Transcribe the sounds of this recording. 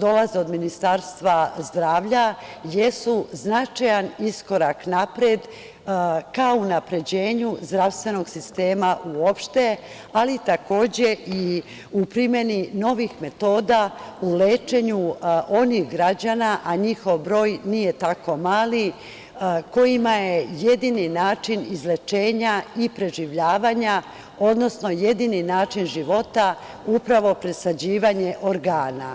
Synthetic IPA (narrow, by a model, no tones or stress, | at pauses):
d̪o̞lazeo̞d̪minist̪aɾst̪ʋazd̪ɾaːʋʎa | jesuznat͡ʃajanisko̞ɾaknapɾed̪ | kaounapɾe̞d͡ʑe̞ːɲuzd̪ɾaʋst̪ʋe̞no̞ɡsist̪e̞ːmaʔuo̞pʃt̪e̞ | alit̪ako̞ːd͡ʑe̞ʔi | upɾimje̞nino̞ʋixme̞t̪o̞ːd̪auleːt͡ʃe̞ɲuʔo̞nixɡɾad͡ʑanaʔaɲixo̞ʋbɾo̞ːjnije̞t̪ako̞maːli | ko̞jimaje̞jed̪ininaːt͡ʃinizlet͡ʃe̞ːɲaipɾe̞ʒiʋʎaːʋaɲa | o̞d̪no̞sno̞jed̪ininaːt͡ʃinʒiʋo̞t̪a | upɾaʋo̞pɾe̞sad͡ʑiːʋaɲe̞ʔo̞ɾɡaːna̰